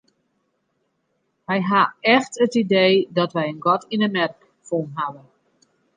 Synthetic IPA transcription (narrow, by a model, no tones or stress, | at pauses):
ʋɛjɦaɛxtətideːdɔtʋɛjənɡɔtʰinəmɛrk | fonɦaʋə